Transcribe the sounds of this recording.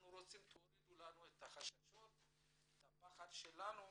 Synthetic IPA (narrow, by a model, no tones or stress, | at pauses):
nuɾot͡simt̪ʰoɾid̪ulanuɛt̪aχaʃaʃot̪̚ | tapaχad̪ʃɛlanu